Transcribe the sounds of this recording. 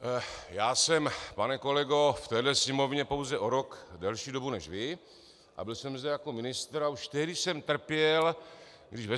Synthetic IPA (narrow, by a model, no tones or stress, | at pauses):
jaːsɛmpanɛko̞lɛɡo̞ft̪ɛːdlɛsɲɪmo̞vɲɛpo̞wzɛʔo̞ɾo̞kdɛlʃiːdo̞bunɛʃvɪ | ʔa̰bɪlsɛmzdɛjako̞mɪnɪst̪ɾauʃt̪ɛɦdɪsɛmt̪r̩pjɛl | ɡdɪʒvɛ